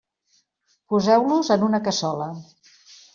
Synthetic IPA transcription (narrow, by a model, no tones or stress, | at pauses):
puzɛwluzənunəkəsɔlə